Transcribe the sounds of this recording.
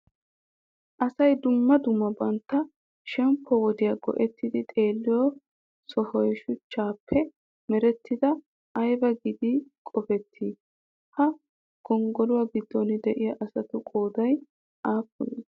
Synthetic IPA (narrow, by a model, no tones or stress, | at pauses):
ʔɐsɐjd̪ʊmːɐd̪ʊmːɐbɐnt̪ːɐ | ʃɛmpʰːɔwɔd̪ɪjaɡɔ̰ʔɛt̪ːɪd̪ɪt̪ʼe̞ːlːɪjɔ | sɔhɔjʃʊt͡ʃːaːpʰːɛ | mɛɾɛt̪ːɪd̪ɐ | ʔɐjbɐɡɪd̪ikʼɔfɛt̪ʰːiː | hɐ | ɡ̥ɔŋɡɔlʊwaːɡɪd̪ːɔnɪd̪ɛʔɪjɐʔɐsɐt̪ʊkʼoːd̪ɐj | ʔaːpːʊje